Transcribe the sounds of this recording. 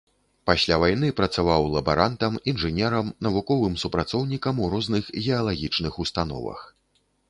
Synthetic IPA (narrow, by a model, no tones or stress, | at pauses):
pasʲlʲavajn̪ɨpɾɐt̪savawlˠɐba̰ɾant̪ɐminʐɨnʲɛɾɐmnɐvukɔvɨmsupɾat̪sɔwnʲikɐmuɾɔznɨxɣʲɛɐlˠaɣʲit͡ʂnɨxust̪anɔ̰vɐ̰x